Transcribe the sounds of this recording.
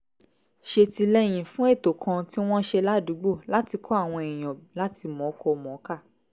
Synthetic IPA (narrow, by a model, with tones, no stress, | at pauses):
ʃe˧ti˧lɛ˦j̃ĩ˨fũ˦e˦˨to˨kʰã˧ti˦w̃ɔ̃˦ʃe˧la˦du˨˦ɡ͡bo˦˨la˦ti˧kʰɔ˦a˦˨w̃ɔ̃˧ẽ˨j̃ɔ̃˨la˦ti˧mɔ̃˨˦kɔ˧mɔ̃˨˦ka˦˨